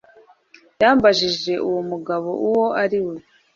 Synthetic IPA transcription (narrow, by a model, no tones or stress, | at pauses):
jaːmbaʒiʒe̞ʔuwomuɡaβo̞̰ʔuwo̞ʔaɾiwe